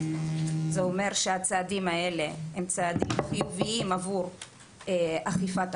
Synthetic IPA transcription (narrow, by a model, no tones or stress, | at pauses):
zeome̞ʁʃeat͡saːd̪imae̞le̞hemt͡saːd̪imχijuviimavuʁ | eʔaχifat